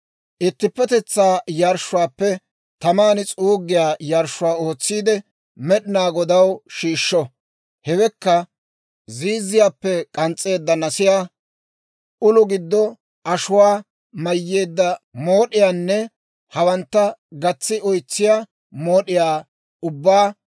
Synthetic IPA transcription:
ʔɪt̪ːɪpːɛt̪ɛt͡sːaːjaɾʃːʊwaːpːɛ | t̪ɐmaːnɪt͡sʼuːɡːɪjaːjaɾʃʊwaːoːt͡sːiːd̪ɛ | mɛɗɪnaːɡɔd̪ɐwʃiːʃːɔ | hɛwɛkːɐ | ziːzːɪjaːpːɛkʼɐnt͡sʼːe̞ːd̪ːɐnɐsɪjaː | ʊlʊɡɪd̪ːɔ | ʔɐʃʊwaː | mɐjːe̞ːd̪ːɐmoːɗɪjaːnːɛ | hɐwɐnt̪ːɐɡɐt͡sːɪʔɔjt͡sːɪjaː | moːɗɪjaː | ʊbːaː

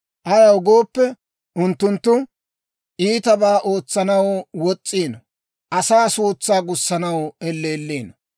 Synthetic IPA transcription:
ʔɐɾɐwʊɡoːpːɛ | ʔʊnt̪ːʊnt̪ːʊ | ʔiːt̪ɐbaːʔoːt͡sːɐnɐwwɔt͡sʼːiːnɔ | ʔɐsaːsuːt͡sːaːɡʊsːɐnɐwɛlːeːlːiːnɐ

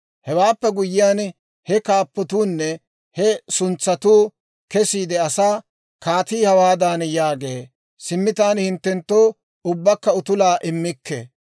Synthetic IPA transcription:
hɛwaːpːɛɡʊjɪjaːn | hɛkaːpːɔt̪uːnːɛ | hɛsʊnt͡sːɐt̪uː | kɛsiːd̪ɛɐsaː | kaːt̪iːhɐwaːd̪aːnjaːɡeː | sɪmːɪt̪aːnhɪnt̪ːɛnt̪ːoː | ʊbːɐkːɐʊt̪ʊlaːʔɪmːɪkːḛ

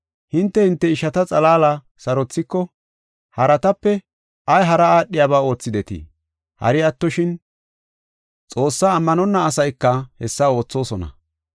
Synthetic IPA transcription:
hɪnt̪ːɛhɪnt̪ːɛɪʃɐt̪ɐt͡sʼɐlaːlɐ | sɐɾɔt͡sːɪkːɔ | hɐɾɐt̪ɐpːɛ | ɐjɦɐɾɐaːɗːɪjaːβaːo̞ːt͡sːɪd̪ɛt̪ɪ̰ | hɐ̰ɾɪɐt̪ːɔʃɪn | t͡sʼo̞ːsːaːmːɐnɔnːɐːsɐjkːɐhɛsːɐo̞ːt͡sːo̞ːsɔnɐ̰

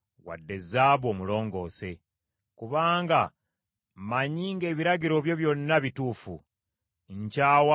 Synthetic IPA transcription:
wa̰dːe̞zaːβo̞ːmulo̞ːŋɡo̞ːse̞ | kuβaːŋɡa | maɲiːŋɡe̞ːβiɾaɟiɾo̞βjo̞βjo̞nːaβituːfṵ | ɲcaːwa

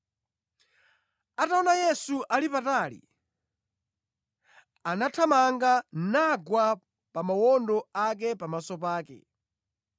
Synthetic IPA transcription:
ataɔnajɛsuʔalipatalḭ | anatʰamaŋɡanaɡwa | pamawɔndɔak̬ɛpamasɔpaːkɛ̰

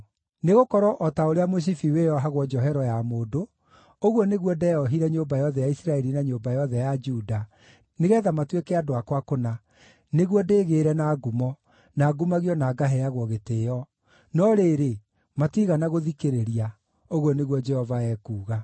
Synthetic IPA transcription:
neɣokɔɾɔʔɔtaoɾeamos̬ifiwejɔɦaɣwɔd͡ʒɔɦɛɾɔjamoːdo | oɣwɔneɣwɔdɛjɔɦiɾɛɲombajɔðɛjaisɾaɛɾinaɲombajɔðɛjad͡ʒuda | neɣɛːðamatwekɛadoakwakona | neɣwɔdeːɣeɾɛnaːɡumɔ | naːɡumaɣiɔnaɡaɦɛjaɣwɔɣeteːjɔ | nɔɾeːɾe | matiɣanaɣoðikeɾeɾia | oɣwɔneɣwɔd͡ʒɛhɔvaɛːkuːɣa

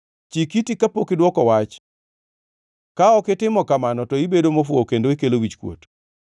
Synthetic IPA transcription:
t͡ʃikitikapokɪdwɔkɔwat͡ʃ | kaɔkɪtɪmɔkamanɔtɔibedomofwokendoikelowit͡ʃkwo̰t

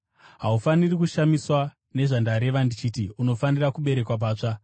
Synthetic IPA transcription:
ɦaufanirik̬uʃamiswa | ne̞ʐandaɾe̞ʋandit͡ʃitiuno̞fanirakuɓe̞ɾe̞kwap̬aːt͡ʂa

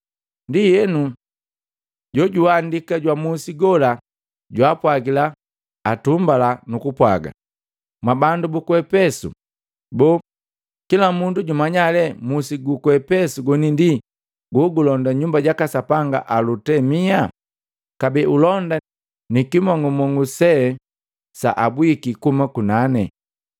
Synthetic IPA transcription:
ndijɛnu | ɟɔɟuandikaɟwamusiɡɔla | ɟwapwaɡilaː | tumbalanukupwa̰ɡa̰ | mwabandubukwɛpɛsṵ | bɔ | kilamunduɟumaɲalɛmusiɡukwɛpɛsuɡɔnindi | ɡuɡulɔndaɲumbaɟakasapaŋɡa̰ʔalutɛmia | kabiʔulɔnda | nikimɔŋɡɔmɔŋɡusɛ | sa̰ʔabwikikumakunanɛ̰

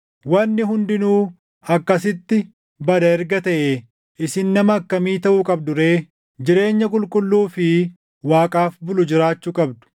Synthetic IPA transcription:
wɐnːɪɦʊnd̪ɪnuː | ɐkːɐs̬ɪt̪ːɪ | bɐd̪ɐɛɾɡɐt̪ɐʔeː | ʔɪsɪnːɐmɐːkːɐmiːt̪ɐʔʊkʼɐbd̪ʊɾeː | d͡ʒɪɾe̞ːɲːɐkʼʊlkʼʊlːuːfɪ | waːkʼaːfbʊlʊd͡ʒɪɾaːt͡ʃːuːkʼɐbd̪ʊ̥

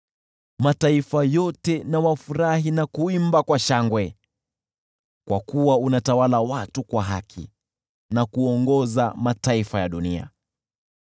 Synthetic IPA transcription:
mataifajɔtɛnawafuɾaɦinakuimbakwaʃaŋɡwɛ | kwa̰kuwaunatawalawatukwaɦa̰kʰḭ | nakuɔŋɡɔza̰mataifajaɗunia̰

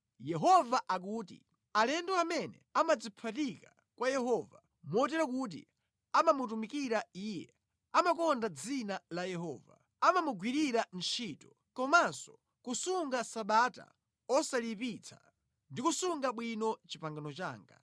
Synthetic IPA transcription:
jɛɦɔvaʔak̬uːtḭ | alɛndɔamɛnɛ̰amad͡zipʰatika | kwajɛɦɔva | mɔt̬ɛɾakut̬ḭ | amamutumikiɾaiːjɛ̰ | amakɔndad͡zinalajɛɦɔ̰ːva̰ | amamuɡwiɾiɾant͡ʃʰiːtɔ | kɔmansɔ̥ | kusuŋɡasaɓaːta̰ | ɔsalipit͡sʰḁ̰ | ndikusuŋɡaɓwinɔt͡ʃipaŋɡanɔt͡ʃa̰ːŋɡa̰

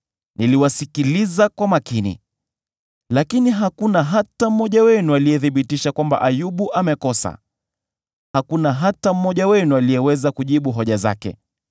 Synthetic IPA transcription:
niliwasikilizakwamakinḭ | lakiniɦakunaɦatam̩mːɔʄawɛnualiɛθiɓitiʃakwamba̰ʔajuɓuʔamɛkɔsa̰ | hakunaɦatam̩mːɔʄawɛnualijɛwɛzakuʄiɓuɦɔʄaza̰kɛ̰

